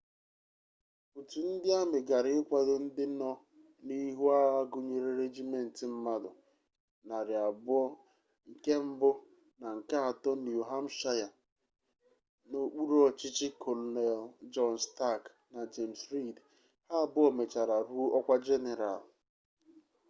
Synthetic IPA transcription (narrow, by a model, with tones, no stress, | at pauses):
pu˨tu˨n̩˦dɪ˦a˦mɪ˨ɡa˨ɾɪ˦kʷa˨de˨n̩˦dɪ˦nɔ˦ | ni˦ɦu˦a˦ɣa˦ɡʊ˨ɲe˨ɾe˦ɾe˦d͡ʒi˦me˦n̩˨tɪ˨m̩˦ma˦dʊ̰˨ | na˨ɾɪ˨a˨bʊ˦ɔ˦ | ŋ̩˨ke˦m̩˦bʊ˦ | na˨ŋ̩˨ka˦a˨tɔ˦n˨u˨ɦa˦m̩˦ʃa˦ja˨ | no˨k͡pu˦ɾo˦ɔ˨t͡ʃɪ˦t͡ʃɪ˦kʰɔ˨lne˨ld͡ʒɔ˦nsta˦˨k | na˨d͡ʒe˨m̩˨sɾi˦˨d | ha˦a˦˨bʊ˦ɔ˨me˨t͡ʃa˨ɾa˨ɾu˦ɔ˦kʷa˦d͡ʒe˦ne˨ɾa̰˨l